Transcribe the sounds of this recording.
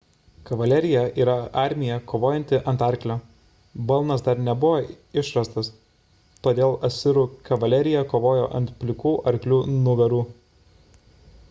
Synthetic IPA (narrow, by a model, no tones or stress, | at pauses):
kɐʋɐlʲɛɾʲɪjɛʔiːɾɐɑˑɾʲmʲɪjɛkoːʋoːjɛnʲt̪ʲɪʔɐnt̪ɐˑɾʲklʲo | bɐlˠnɐsd̪ɐɾnʲɛbʊʋoː | ɪʃɾɐst̪ɐs | t̪oːd̪ʲeːlˠɐt̪ʲsʲɪɾuːkɐʋɐlʲɛɾʲɪjɛkoːʋoːjo̰ːʔɐ̰nt̪pʲlʲɪkuːʔɐɾʲklʲuːnʊɡʲɐɾuː